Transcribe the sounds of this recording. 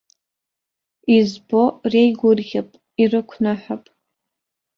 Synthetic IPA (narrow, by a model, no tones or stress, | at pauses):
izbo̞rejɡʷʊrɣʲapʼ | irɨkʷʰnaħapʼ